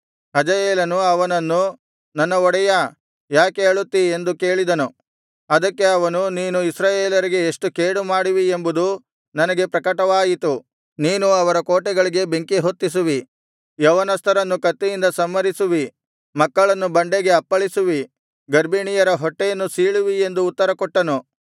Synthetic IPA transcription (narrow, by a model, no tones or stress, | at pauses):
hɐd͡ʒɐjeːlɐnuɐʋɐnɐnːu | nɐnːɐɔɽɛjɐ | jaːkeːɭut̪ːiend̪uke̞ːɭid̪ɐnu | ɐd̪ɐkːe̞ɐʋɐnuniːnuisɾaːjeːlɐɾiɡe̞ːʂʈukeːɽumaːɽiʋiembud̪u | nɐnɐɡe̞pɾɐkɐʈɐʋaːjit̪u | niːnuɐʋɐɾɐkoːʈɛɡɐɭiɡe̞be̞ŋkiɦot̪ːis̬uʋi | jɐːʋɐnɐst̪ʰɐɾɐnːukɐt̪ːejind̪ɐsɐmːɐɾisuʋi | mɐkːɐɭɐnːubɐɳɖeɡe̞ɐpːɐɭisuʋi | ɡɐɾbiɳijɐɾɐɦɔʈːejɐnːusiːɭuʋie̞nd̪uːt̪ːɐɾɐkɔʈːɐnu